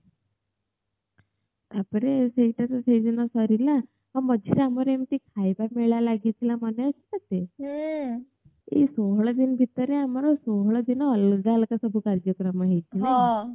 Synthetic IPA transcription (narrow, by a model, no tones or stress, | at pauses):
apɾesejʈat͡sasejd͡zinasaɾila | ɦaməd͡ʑʱisaməɾemt̪ikʰajbameɭjalaɡit̪lamənjasinat̪e | ḭsoɦɭəd̪inbʱit̪əɾeamaɾɔsoɦɭəd̪inəːld͡zalkasəbʱukaɾd͡ʑjəkɾəmaɦejt͡ɕ̪inɦaa